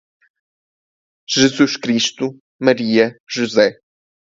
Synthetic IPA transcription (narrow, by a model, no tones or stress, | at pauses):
ʒ̥ɨzuʃkɾiʃt̪u | mɐɾiɐʒuzɛ